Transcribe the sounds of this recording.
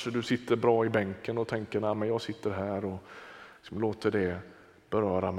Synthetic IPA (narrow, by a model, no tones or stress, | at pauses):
ʂəd̪ɵsɪt̪ʰːəɾbɾɑːɪbɛŋkənɔt̪ʰɛŋkəɾnæːmənjɑːɡsɪt̪ʰːəɾɦæːɾɔɪksɔmloːt̪əɖɛ | b̥ɛɾœːɾam